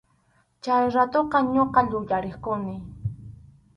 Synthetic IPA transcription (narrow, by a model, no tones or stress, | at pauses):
t͡ʃajɾat̪oqɑɲoqɑʎʊʎaɾeχkʊnɪ